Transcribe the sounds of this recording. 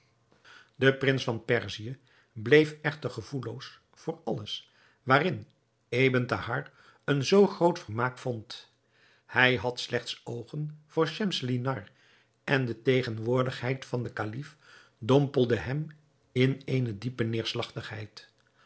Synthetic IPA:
dəprɪnsfɑnpɛɹziə | blejfɛχtəɹχəv̥ulows | fʊːɹɑləs | ʋaːrɪn | ejbəntahɑɹ | ənzowχrowtfəɹmaːkfont | hɛjɦɑtslɛχtsowχənv̥ʊːɹʃɛmslinɑɹ | ʔɛndətejχənʋʊːɹdəχɦɛjtfɑndəkalif | dɔmpəlˠdəɦɛm | ɪnejnədipənɪːɹslɑχtəχɦɛ̰jt

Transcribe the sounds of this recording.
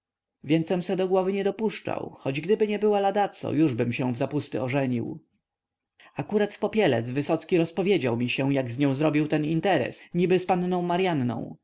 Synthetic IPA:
vʲjɛnt̪sɛmsɛd̪ɔɡwɔvɘɲɛd̪ɔpuʂt͡ʂa̰wxɔd͡ʑɡd̪ɘbɘɲɛbɘwalad̪at̪sɔ̰juʐbɘmɕɛ̃vzapust̪ɘɔʐɛɲḭw | akuɾat̪fpɔpʲjɛlɛ̰d̪zvɘsɔt̪skʲiɾɔspɔvʲjed͡ʑawmʲiɕɛw̃jaɡzɲɔ̃w̃zɾɔbʲiwt̪ɛnint̪ɛɾɛ̰sɲibɘspannɔ̃w̃maɾjannɔ̰̃w̃

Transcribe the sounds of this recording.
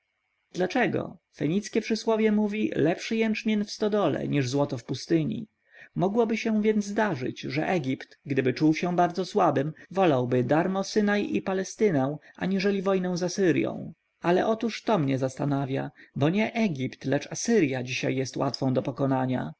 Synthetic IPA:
d̪̥lat͡ʂɛɡɔ̰fɛɲit̪skʲɛpʂɘswɔvʲjɛmuvʲilɛpʂɘjɛnt͡ʂmʲjɛnfst̪ɔd̪ɔlɛ̰ɲiʐzwɔt̪ɔfpust̪ɘɲḭ | mɔɡwɔbɘɕɛ̃vʲjɛnd̪zzd̪aʐɘ̰t͡ɕʐɛ̰ʔɛɡʲipt̪ɡd̪ɘbɘt͡ʂuwɕɛbaɾd̪zɔswabɘmvɔlawbɘd̪aɾmɔsɘnajipalɛst̪ɘnɛw̃ | a̰ɲiʐɛlʲivɔjnɛ̃w̃zasɘɾjɔ̰̃w̃ | alɛ̰ʔɔt̪uʂt̪ɔmɲɛzast̪anavʲja̰bɔɲɛʔɛɡʲipt̪lɛt͡ʂasɘɾʲjad͡ʑiɕa̰jːɛst̪wa̰t̪fɔ̃w̃d̪ɔpɔkɔnaɲa̰

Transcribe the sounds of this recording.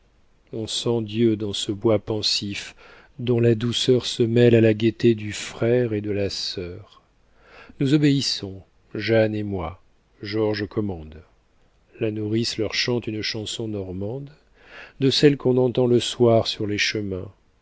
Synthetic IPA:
ɔ̃sɑ̃d̪jød̪ɑ̃səbwapɑ̃sif | d̪ɔ̃lad̪usœʁsəmɛlalaɡʲet̪ed̪yfχɛʁed̪əlasœʁ | nuzɔbeisɔ̃ | ʒanemwa | ʒɔʁʒkʰɔmɑ̃d̪ | lanuʁislœʁʃɑ̃t̪ynʃɑ̃sɔ̃nɔʁmɑ̃d̪ | d̪əsɛlkɔ̃nɑ̃t̪ɑ̃ləswaʁsyʁleʃəmɛ̃

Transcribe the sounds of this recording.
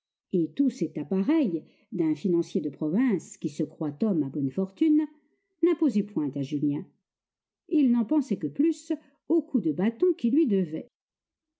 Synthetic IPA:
et̪usɛt̪apaʁɛj | d̪ɛ̃finɑ̃sjed̪əpχɔvɛ̃skʲisəkχwat̪ɔmabɔnfɔʁt̪ynː | ɛ̃pozepwɛ̃t̪aʒyljɛ̃ | ilnɑ̃pɑ̃sɛkəplys | okʰud̪əbat̪ɔ̃kʲilɥid̪əvɛ

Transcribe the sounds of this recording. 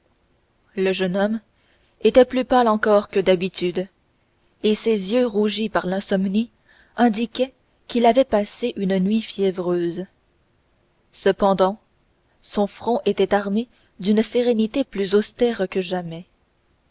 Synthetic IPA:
ləʒənɔm | et̪ɛplypalɑ̃kɔʁkəd̪abit̪yd̪ | esezjøʁuʒipaʁlɛ̃sɔmni | ɛ̃d̪ikʲɛ | kʲilavɛpaseʔynnɥifjɛvʁøːz | səpɑ̃d̪ɑ̃ | sɔ̃fχɔ̃ʔet̪ɛt̪aʁme | d̪ynseʁenit̪eplyzɔst̪ɛːʁkəʒamɛ

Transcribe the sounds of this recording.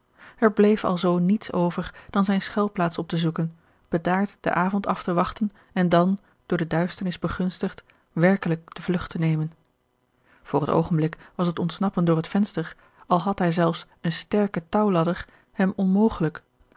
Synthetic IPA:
ɛɹblejfɑ̰lˠzownitsowvəɹd̥ɑnzɛjnsχɛlˠplaːtsɔp̚təzukən | b̥ədaːɹtd̥ə̰ʔaːvɔntɑftəʋɑχtən | ɛndɑn | d̥ʊːɹdədœɥstəɹnɪzbəχɵnstəχt | ʋɛɹkələk̚d̥əvlɵχtənejmən | v̥ʊːrəto̰wχənblɪkʋɑsətɔntsnɑpəndʊːɹɦətfɛnstəɹ | ɑlˠɦɑtɦɛjzɛlˠfs | ənstɛɹkətɑwlɑdəɹ | hɛmɔnmowχələk

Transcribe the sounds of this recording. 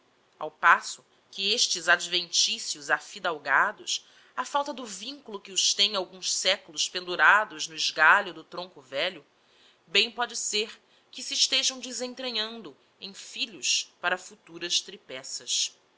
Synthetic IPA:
a̰wpasʊ | kɪeʃt͡ʃɪzad͡ʒvẽnt͡ʃisjʊzafid̪awɡad̪ʊs | afawt̪ɐd̪ʊvĩŋkulʊkɪʊʃt̪ẽj̃awɡũʃsɛkʊlʊʃpẽnd̪uɾad̪ʊznʊɪʒɡaʎʊd̪ʊt̪ɾõŋkʊvɛʎʊ | bẽj̃pɔd͡ʒɪseɾ | kɪsɪːʃt̪eʒɐ̃w̃d͡ʒɪzẽt̪ɾeɲɐ̃nd̪ʊ | ẽj̃fiʎʊspaɾɐfut̪uɾɐʃt̪ɾipɛsɐs

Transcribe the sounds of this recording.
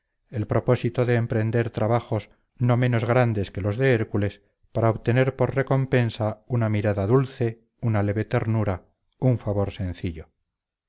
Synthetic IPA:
e̞lpɾo̞po̞sit̪oðeːmpɾe̞nd̪e̞ɾt̪ɾaβaxo̞s | no̞mẽ̞no̞zɣɾand̪e̞ske̞lo̞zðe̞eɾkules | paɾaoβt̪e̞ne̞ɾpo̞ɾre̞ko̞mpe̞nsaunamiɾaðaðulθe̞ | unale̞βe̞t̪e̞ɾnuɾa | uɱfaβo̞ɾse̞nθiʎo̞

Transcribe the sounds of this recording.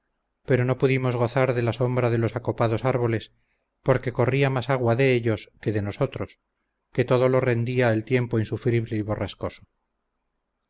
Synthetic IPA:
pe̞ɾo̞no̞puðimo̞zɣo̞θaɾðe̞laso̞mbɾaðe̞lo̞sako̞paðo̞saɾβo̞le̞s | po̞ɾke̞ko̞riamasaɣwaðe̞eʎo̞ske̞ðe̞no̞so̞t̪ɾo̞s | ke̞t̪o̞ðo̞lo̞re̞nd̪iaelt̪je̞mpoinsufɾiβle̞iβo̞rasko̞so̥

